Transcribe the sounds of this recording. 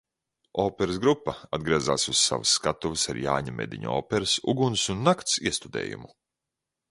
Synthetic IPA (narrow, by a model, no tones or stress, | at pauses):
oːpɛɾɨs̬ɡɾupːɐad̪ɡɾiɛzaːsuz̥ːa̰vusːkat̪uvɨsaɾja̰ːɲamḛd̪iɲɔːpɛɾɨsṵɡunsunːakt̪siɛst̪ud̪ḛːjṵmu